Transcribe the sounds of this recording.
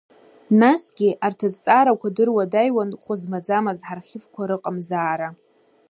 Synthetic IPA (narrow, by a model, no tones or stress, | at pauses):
nasɡʲiʔartʰazt͡sʼaɾakʷʰadɨrwadajwanχʷʊzmad͡zamazħarχʲɪfkʷʰaɾɨqʼamzaːɾa